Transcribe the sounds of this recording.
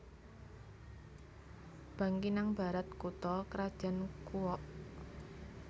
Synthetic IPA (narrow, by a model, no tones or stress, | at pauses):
b̥ä̤ŋkinaŋb̥a̤ɾat̪̚kut̪ɔkəɾad̥ʒ̥a̤nkuwɔʔ